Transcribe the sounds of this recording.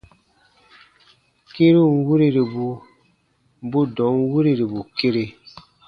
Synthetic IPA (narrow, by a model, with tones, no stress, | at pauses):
ke˦ɾi˦ŋ˦wu˦ɾi˦ɾi˨bu˨ | bu˦dɔ̃˨˦ŋ˦wu˦ɾi˦ɾi˨bu˨ke˦ɾe˦